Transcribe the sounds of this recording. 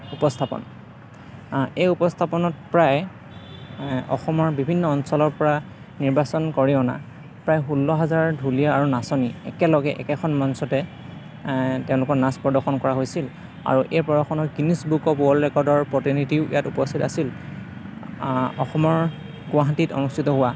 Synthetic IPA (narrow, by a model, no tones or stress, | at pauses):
upɔstʰapɔ̰n | ejupɔstʰapɔnɔtpɹaj | ɔ̰xɔmɔɹbibʱinːɔːnsɔlɔɹpɔɹa | niɹbasɔnkɔɹiʊna̰ | pɹajɦulːɔɦazaɹdʱulijaːɹunasɔniɛ̰kɛlɔɡɛʔɛ̰kɛxʰɔnmɔnsɔtɛ | tẽʊ̃lʊkɔɹnaspɔɹdɔxʰɔnkɔɹaɦojsil | a̰ɹuʔeɹpɔɹaxʰɔnɔɡinisbukɔpwɔlɹɛkɔɹdɔɹpɹɔtinitiʊḭjatupɔstʰitasil | ɔxɔmɔɹ | ɡʊaɦatitɔ̰nustʰitɔɦʊwa